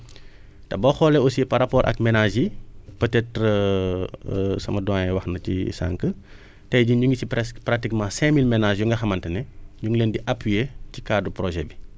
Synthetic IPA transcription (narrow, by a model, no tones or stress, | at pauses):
tɐbɔxɔːlɛosipɐɾapɔːɾʔɐ̰kmɛnaʒipətɛtɾə | sɐmɐdɔɛwɐxnɐcḭsa̰ŋkə | tɛjɟuɲuŋɡisipɛspratikmãːsɛ̃milmɛnaʒjuŋɡɐxɐmɐntɐnɛɲuŋleːndiʔapwijecikaːduprɔʒɛbi